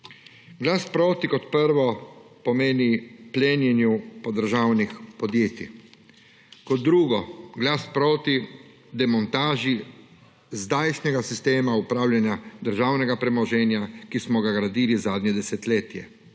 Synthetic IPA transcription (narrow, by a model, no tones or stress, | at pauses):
ɡlaːspɾoːt̪ikɔt̪pəɾʋɔpɔmeːnipleːnjɛnjupɔd̪əɾʒaːwnixpɔd̪jeːt̪ḭ | kɔt̪̚ːɾuːɡɔɡlaːspɾoːt̪i | d̪ɛmɔnt̪aːʒi | zd̪ajt͡ʃnɛɡasist̪eːmaupɾaːwlʲjanjad̪əɾʒaːwnɛɡapɾɛmɔʒɛnjakismɔɡaɡɾad̪iːlizaːd̪nɲɛd̪ɛsɛt̪leːt̪jɛ̰